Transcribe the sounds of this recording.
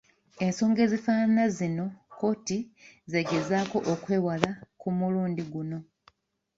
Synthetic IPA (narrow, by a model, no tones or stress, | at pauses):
e̞nso̞ːŋɡe̞zifaːnazino̞ko̞ːtize̞ɡe̞zaːko̞ʔokwe̞ːwalakumuluːndiɡuno̞